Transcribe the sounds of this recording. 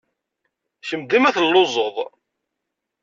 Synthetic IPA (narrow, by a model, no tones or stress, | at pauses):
çəmd̪imæθəlːozˤoðˤ